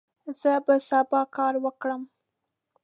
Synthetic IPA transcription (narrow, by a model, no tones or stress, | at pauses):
z̥əbəsɑbɑkɑɾwəkɽəm